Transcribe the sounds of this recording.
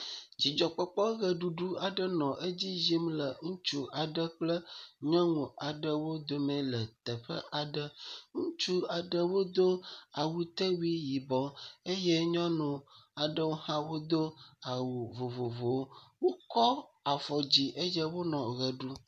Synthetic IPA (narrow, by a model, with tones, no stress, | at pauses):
d͡ʑi˨d͡ʒɔ˨k͡pɔ˦k͡pɔ˦ɣə˨ɖu˨ɖu˦a˨ɖə˦nɔ̃˨ʔə˦d͡ʑi˦zi˦mlə˨ŋũ˦t͡ʃu˦a˨ɖə˦k͡plə˦ɲɔ̃˦ŋũ˨a˨ɖə˨wo˦d̪o˨mẽ˨lə˨t̪ə˨ɸə̰˦ʔa˨ɖə˦ŋũ˦t͡ʃu˦a˨ɖə˦wo˦d̪o˦a˨wu˦t̪ə˦wu˦i˦ji˨bɔ˨e˦jɛ˦ɲɔ̃˦nũ˨a˨ɖə˦wo˦hã˦wo˦d̪o˦a˨wu˨vo˨vo˨vo˨wo˦wo˦kɔ˦a˨fɔ˨d͡ʑi˨ʔə˦jə˦wo˦nɔ̃˨ɣə˨ɖu˦